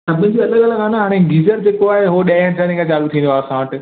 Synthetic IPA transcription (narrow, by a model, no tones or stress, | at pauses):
ɐbɪ̃nɪ̃̆d͡ʑiːɐləɡɐləɡaːnaɦaːɽ̃eɡiːzəɾd͡ʑeːkoaːɦeɦoɗaːəɽ̃sʰãnĩkʰat͡ɕaːlut̪ʰĩːnoaːsãʋəʈɪ̆